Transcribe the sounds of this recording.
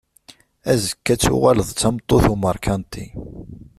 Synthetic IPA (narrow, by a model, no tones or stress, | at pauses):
æzəkːæt͡sːʊ̰ʁæləðˤt͡sːɑmt̪ˤːoθuməɾˤkʰænt̪i